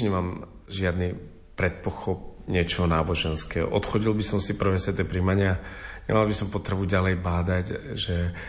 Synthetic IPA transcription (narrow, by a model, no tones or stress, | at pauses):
ɲɛmaːm | ʒɪad̪ni | pɾɛt̪̚pɔxɔp̚ɲɪɛt͡ʃɔɦɔnaːbɔʒɛnskɛːɦɔ̰ʔɔt̪xɔɟilbisɔmsipr̩ʋɛːsʋɛt̪ɛpɾimaɲɪaɲɛ̰malbisɔmpɔt̪ɾɛbuɟalɛjbaːd̪acʒɛ